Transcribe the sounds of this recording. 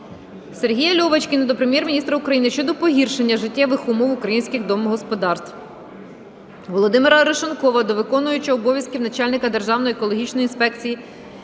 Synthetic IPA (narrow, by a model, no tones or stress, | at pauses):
serɦʲijɐlʲɔʋɐt͡ʃʲkɪnɐd̪ɔpɾemʲjɛrmʲinʲist̪ɾɐukɾɐjinɪʃt͡ʃɔd̪ɔpɔɦʲirʃenʲːɐʒɪtʲːaʋɪxumɔwʊkɾɐjinʲsʲkʲɪɣd̪ɔmɔɦɔspɔd̪ɑrst̪w | ʋɔlˠɔd̪ɪmɪɾɐɾeʃɔnkɔʋɐd̪ɔʋɪkɔnʊjʊt͡ʃɐɔbɔʋʲjɐskʲiwnɐt͡ʃalʲnɪkɐd̪erʒɑwnɔjiekɔlˠɔɦʲit͡ʃnɔjinspɛk̚t͡sʲiji